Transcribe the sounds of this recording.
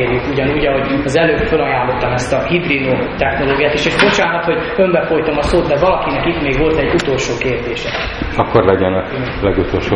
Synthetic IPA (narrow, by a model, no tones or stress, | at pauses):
rjykuɟɒnuːɟɒɦo̞ɟɒzɛløːbfølɒjaːlːo̞t̪ːɒmɛst̪ɒhid̪rinoː | t̪ɛxno̞loːɡijaːt̪eːʃeʒbo̞t͡ʃaːlɦɒt̪ho̞ɟømbɛfo̞jt̪o̞mɒsoːd̪d̪ɛvɒlɒkinɛkit̪meːɡʋo̞lt̪ɛɟːut̪o̞lʃoːkeːrd̪eːʃɛ | ɒkːorlɛɟɛnɒ | lɛɡut̪olʃoː